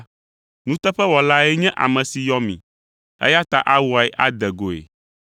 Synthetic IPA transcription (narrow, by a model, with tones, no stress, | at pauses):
nũ˦t̪ɛ˦ɸɛ˦wɔ˨la˦ɛ˦ɲɛ̃˦ʔa̰˨mɛ̃˨si˨jɔ˦mḭ̃˨ | ɛ̰˦ja˦t̪a̰˦˨ʔa˦wu˨a˨ɛ˦ʔa˦d̪ɛ˨ɡo˨ḛ˨